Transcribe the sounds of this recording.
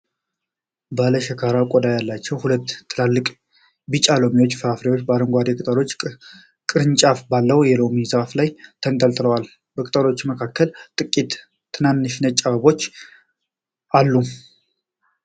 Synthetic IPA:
baləʃəkʰaɾakʼɔd̪ajalːat͡ʃːɛwhulət̪ːlalːɨkʼ | bɨt͡ʃʼalo̞miwo̞t͡ʃːfɨɾafɾewo̞t͡ʃːbəaɾəŋɡʷad̪ekʼɨt̪ʼəɾo̞t͡ʃː | kʼɨɾɨnt͡ʃʼafbalːəwjɛlo̞mizaflajt̪ʰənt̪ʼəlt̪ʼɨləwal | bəkʼɨt̪ʼəɾo̞t͡ʃːməkʰakːəlt̪ʼɨkʼːit̪ | t̪ʰːɨnanːɨʃnət͡ʃʼːaβəβo̞t͡ʃː | ʔalːu

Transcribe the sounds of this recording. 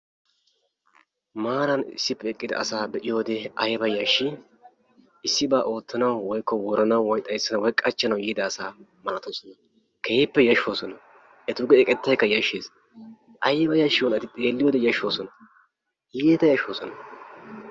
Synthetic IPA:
maːɾɐnɪ̰sːɪpːɛɛkʼːɪd̪ɐ̰ɐsaːbɛʔɪjo̞ːd̪ɛɐjbɐjɐʃːɪ | ɪsːɪbaːʔo̞ːt̪ːɐnɐwːɔjkːɔwɔɾɐnɐwwɔjt̪ʼɐjsːɐnɐwɔjkʼːɐt͡ʃːɐnɐwjiːd̪ɐːsaːmɐlɐt̪oːsɔnɐ | kʰeːɪpːɛjɐʃːo̞ːsɔnɐ | ʔɛt̪ʊɡɛɛkʼɛt̪ːɐjkːɐjɐʃːeːs | ʔɐjɛbɐjɐʃːɪwɔnɐt̪ɪt̪ʼe̞ːlːɪjoːd̪ɛjɐʃo̞ːsɔnɐ | jeːt̪ɐjɐʃoːsɔnɐ

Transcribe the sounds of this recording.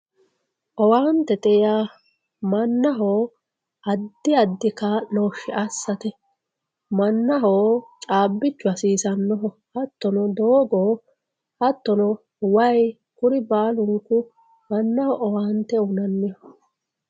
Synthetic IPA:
ʔɔwaːnt̪ːɛt̪ʼɛja | mɐnːɐɦoː | ʔɐd̪ːɪɐd̪ːɪkanoʃɪʔɐsːɐt̪ɛ | mɐnːɐɦoːt͡ʃʼaːbːɪt͡ʃːʊɐsiːsɐnːɔɦɔ | hɐt̪ːɔnɔd̪oːɡoː | hɐt̪ːɔnɔ | wɐj | kʊɾɪbaːlʊŋkʊ | mɐnːɐhɔʔɔwaːnt̪ːɛʊnɐnːɪj

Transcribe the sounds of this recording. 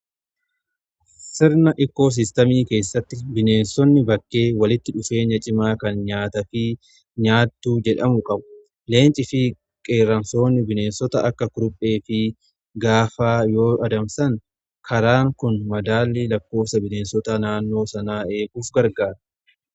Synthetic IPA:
sɪɾnɐʔɪkːo̞ːs̬ɪst̪ɐmiːke̞ːsːɐt̪ːɪbɪne̞ːnsɔnːɪbɐkːe̞ːwɐlɪt̪ːɪᶑʊfe̞ːɲɐt͡ʃʼɪmaːkɐnɲaːt̪ɐfɪ | ɲaːt̪ːuːd͡ʒɛᶑɐmʊkʼɐbʊ̥ | le̞ːnt͡ʃʼɪfɪ | kʼe̞ːɾɐnso̞ːnːɪbɪne̞ːnsɔt̪ɐʔɐkːɐkʊɾʊpʼːe̞ːfɪ | ɡaːfaːjo̞ːʔɐd̪ɐmsɐŋ | kʰɐɾaːŋkʊnmɐd̪aːlːiːlɐkːo̞ːfsɐbɪneːnsɔt̪ɐnaːnːo̞ːsɐnaːe̞ːɡuːfɡɐɾɡaːɾɐ̥

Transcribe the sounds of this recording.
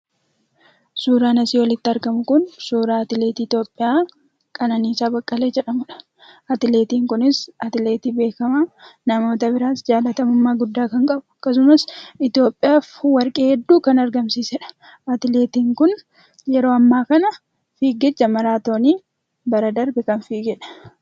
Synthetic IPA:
suːɾaːnɐsiːwɐlɪt̪ːɪɐɾɡɐmʊkʊnsuːɾaːɐt̪ɪle̞ːt̪iːɪt̪jo̞ːpʼːɪjaː | kʼɐnɐniːsaːbɐkʼːɐle̞ːd͡ʒɛᶑɐmʊᶑɐ̥ | ɐt̪ɪle̞ːt̪iːŋkʊnɪsɐt̪ɪle̞ːt̪iːbe̞ːkɐmaːnɐmo̞ːt̪ɐbɪɾaːsd͡ʒaːlɐt̪ɐmʊmːaːɡʊd̪ːaːkɐŋkʼɐbʊ̥ɐkːɐs̬ʊmɐsɪt̪ɪjo̞ːpʼːɪjaːfwɐɾkʼeːhɛd̪ːuːkɐnɐɾɡɐmsiːsɛᶑɐ̥ | ɐt̪ɪle̞ːt̪iːŋkʊn | jɛɾo̞ːɐmːaːkɐnɐ | fiːɡɛt͡ʃːɐmɐɾaːt̪o̞ːniː | bɐɾɐd̪ɐɾbɛkɐnfiːɡɛᶑɐ̥

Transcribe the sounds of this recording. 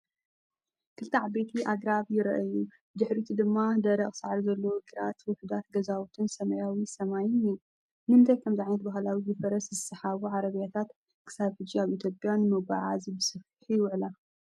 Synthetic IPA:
kʰɨlt̪ʰaʕbe̞t̪ʰiʔaɡɾaβjɪɾʔɐju | d̪ɨħɾit̪ʰud̪ɨmːad̪ɐɾɐχʼsaʕaɾzɐlːɐwɡɨɾa̰t̪wɔħɨd̪at̪ɡɐzawut̪ʰɨnsɐmɐjawisɐmajuniju | nɨɨnt̪ʰajkʰɐmziʕajnɐt̪̚baɦlawizɨfɐɾɐszɨsɨħaβuʕaɾɐβjat̪ʰat̪ | kʰɨ̥saβħɨd͡ʒiaβit̪ʰjopʼjanɨmɨβaʕa̰zibɨsɨf | ħijɪwʕla

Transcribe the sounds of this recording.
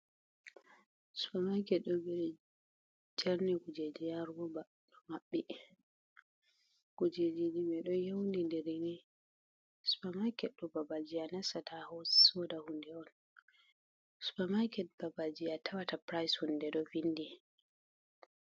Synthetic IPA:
su̥pamajkɛɗɔbɛ | d͡ʒaɾniɡud͡ʒed͡ʒijaɾɡɔba | ɗɔmaɓːɛ | ɡ̥ud͡ʒed͡ʒid͡ʒimɛɗɔjewndindeɾini | su̥pamajkɛɗɔbabad͡ʒijanasatʰahɔsɔdahundɛɔn | su̥pamajkɛt̚babad͡ʒijatʰawatapɾajshundɛɗɔvinːdi

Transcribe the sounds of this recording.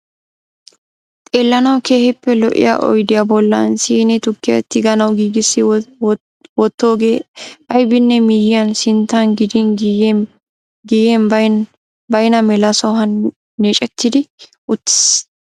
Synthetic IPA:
t̪ʼeːlːɐnɐwkʰe̞ːhɪpːɛlɔʔɪ̰ja̰ʔɔ̰jd̪ɪjabɔlːɐ̰nsiːnɛt̪ʊkːɪjɐ̰t̪ːɪɡɐnɐwɡiːɡɪsːɪ | wɔt̪ːo̞ːɡeːʔɐjbɪnːɛmɪjɪjɐnsɪnt̪ːɐnɡɪd̪ɪn | ɡijen | bɐjnɐmɛlɐsɔɦɐnː | eːt͡ʃʼɛt̪ːɪd̪ɪ | ʔʊt̪ːɪ̥s

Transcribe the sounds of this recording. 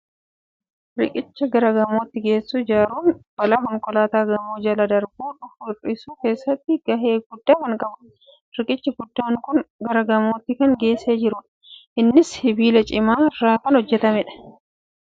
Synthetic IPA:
ɾɪkʼɪt͡ʃːɐɡɐɾɐɡɐmoːt̪ːɪɡe̞ːsːuːd͡ʒaːɾuːnb̥ɐlaɦɔŋkʼɔlaːt̪aːɡɐmoːd͡ʒɐlɐd̪ɐɾbuːᶑʊfʊrɪsuːke̞ːsːɐt̪ːɪɡɐɦeːɡʊd̪ːaːkɐŋkʼɐbʊ̥ | ɾɪkʼɪt͡ʃːɐɡʊd̪ːaːŋkʊnɡɐɾɐɡɐmoːt̪ːɪkɐŋɡe̞ːseːd͡ʒɪɾʊᶑ | ʔɪnːɪshɪbiːlɐt͡ʃʼɪmaːɪrːaːkɐnhɔd͡ʒːɛt̪ɐmɛᶑɐ̥

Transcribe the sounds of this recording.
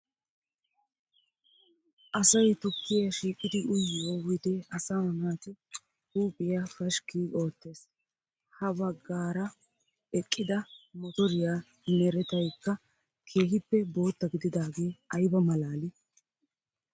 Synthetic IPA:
ʔɐsɐjt̪ʊkːɪjɐʃiːkʼːɪd̪ɪʔʊjːowɪd̪ɛɐsaːɐnaːt̪ɪ | t̪uːpʼɪjafɐʃkiːʔo̞ːt̪ːe̞ːs | hɐbɐɡːaːɾɐ | ɛkʼːɪd̪ɐmɔt̪ɔɾɪjaː | nɛɾɛt̪ɐjkːɐ | kʰe̞ːɦɪpːɛbo̞ːt̪ːɐɡɪd̪ɪd̪aːɡe̞ːʔɐjbɐmɐlaːlɪ

